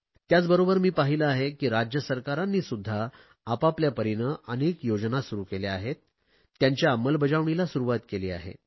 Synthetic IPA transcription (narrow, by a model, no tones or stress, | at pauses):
t̪jat͡sbəɾobəɾmiːpaɦiləaɦekiːɾad͡ʑjəsəɾkaɾanːiːsud̪ʱːaː | papljapəɾinəənekjod͡znasuɾukeleaɦet̪̚ː | jaɲt͡ɕjaːməlbəd͡zaʋɳilasuɾuʋat̪kelḭːa̰ɦḛ